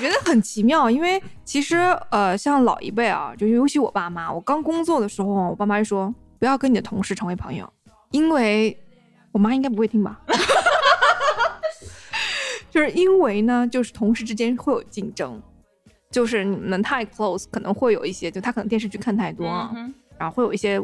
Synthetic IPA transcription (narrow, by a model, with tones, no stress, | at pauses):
wɔ˩t͡ɕɥɛ˧˥d̪ə˧xə˨˩nt͡ɕʰi˧˥mjɑ˥˩ʊi˥nwe˥˩ɪt͡ɕʰi˧˥ʂɻ̩˧˥ə˧ɕjɑ˥˧ŋlɑ̰˨˩ʊʔḭ˧˥pe˥˩ɪɐ̰˨˩t͡ɕjo˥˧ʂɻ̩˥˩jo˧˥ʊt͡ɕʰi˧˥wɔ̰˨˩pa˥˩ma˩wɔ̰˨˩kɑ˥ŋkʊ˥ŋt͡swɔ˥˩d̪ə˩ʂɻ̩˧˥xo˥˧ʊ˩wɔ˨˩pa˥˩ma˧t͡ɕʂwɔ˥ | pu˧˥jɑ˥˩ʊkə˥n˨˩ə˩t̪ʰʊ˧˥ŋʂɻ̩˥˩ʈ͡ʂʰɤ˧˥ŋwe˧˥pʰɤ˧˥ŋjo̰˨˩ʊ | i˥nwe˥˩ɪ | wɔ˨˩ma˥i˥ŋka˥ɪpu˧˥xe˥˩ɪi˥ŋbɐ˨˩ | t͡ɕjo˥˧ʊʂɻ̩˥˩i˥nwe˧˥ɪnə˧t͡ɕjo˥˧ʊʂɻ̩˥˩t̪ʰʊ˧˥ŋʂɻ̩˥˩ʈ͡ʂɻ̩˥t͡ɕjɛ˥nxwe˥˩ɪjo̰˨˩ʊt͡ɕi˥˩nʈ͡ʂɤ˥ŋ | t͡ɕjo˥˧ʊʂ̬ɻ̩˥˩ni˨˩m˦nə˧˥ŋt̪ʰa˥˧ɪkʰlo˥˩ʊskʰnɤ˧˥ŋxwe˥˩ɪjo˨˩ʊi˥˩ɕjɛ˥t͡ɕjo˥˩˥a˥˨˩n˧˥t̪jʂ̩˥˧t͡ɕʰy˥˧kʰa˥˧nt̪ʰa˥˩ɪt̪wɔ˥˩ɻa˧˥xo˥˧xwe˥˩jo˨˩˧jɛ˥